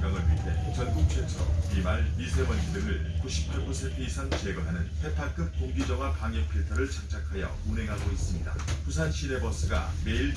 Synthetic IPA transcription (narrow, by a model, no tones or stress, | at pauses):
ɡaŋɯɭɥit͈ʰe̞̰t͡ɕʌnɡuk̚t͡ɕʰwe̞t͡ɕʰʌ̰imaɭmisʰebʌnidɯɾɯɭkuɕʰi̥p̚t͡ɕ͈uɡusʰepʰeisʰant͡ɕeɡʌɦanɯnpʰe̞tʰak͈ɯp̚toŋɡid͡ʑʌɡapaŋjʌpʰetʰʌɾɯɭt͡ɕʰak̚t͡ɕ͈akʰajʌ̰unɦe̞ŋɦaɡois͈ɯmɲida̰pusʰanɕʰide̞bʌs͈ɯɡa̰me̞iɭd͡ʑ